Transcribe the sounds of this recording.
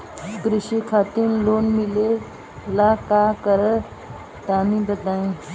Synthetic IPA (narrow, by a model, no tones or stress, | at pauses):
ɡɾiɕikʰat̪iːnlonmile | lakakəɾə | t̪anibəd̪aĩ